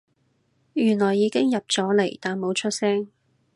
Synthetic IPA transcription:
jyː˨˩nlɔː˨˩jːiː˨˧kɪ˥ŋjɐ˨p̚t͡sɔː˨˥le˨˩jt̪aː˨nmo˨˥wt͡ʃʰɵ˥t̚sɛ˥ŋ

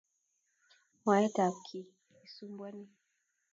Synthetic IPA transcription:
ma˨jɛ˦ta˨kʰi˨ | i˨su˦mbwa˦ni˦

